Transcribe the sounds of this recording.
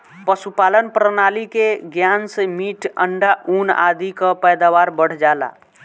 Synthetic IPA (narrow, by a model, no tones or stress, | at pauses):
pəsupalənpɾənalikeɡjansemiʈə̰ɳɖaʔuna̰d̪ʱikəpəjd̪awaɾbəɽ̤d͡ʒala̰